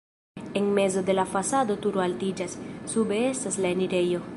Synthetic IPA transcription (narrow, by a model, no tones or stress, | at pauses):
eŋmezod̪elafasad̪ot̪uɾoalt̪id͡ʒasːubeest̪aslaeniɾejo